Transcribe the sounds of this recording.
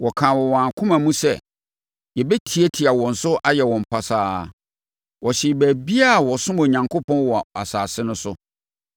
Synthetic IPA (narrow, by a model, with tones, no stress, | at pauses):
wɔ˨kʰãː˨wɔ˨w̃ãː˨kʰʊ̃˦mã˨mũ˦sɛ̰˦˨ | jɛ˨bɛ˦tʰi˨˦ɛ˦tʰi˨a˨wɔ̃˨n̩˨sʊ˦ʔa˦jɛ˨wɔ̃˨m̩˨pʰa˨saː˦ | wɔ˨ɕɪ˨bæː˨bi˦a˦˨wɔ˨sʊ̃˦mõ˨ɲã˨ŋkʰo˦pʰɔ̃˦n˦wɔ˨a̰˨saː˨sɪ˦nʊ̃˦sʊ˦